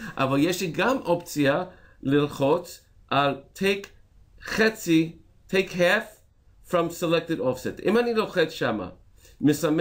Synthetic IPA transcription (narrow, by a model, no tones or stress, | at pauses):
ʔa̰valjɛʃliɡamʔɔp̚t͡sialɪlχot͡s | ʔaltʰeɪk | χɛsi | tʰeɪkɦɛf | fɹʌ̃msəlɛk̚tɨɾɔfsɪtɪ̰̃maniloχɛt͡sʃama̰ | mɨsam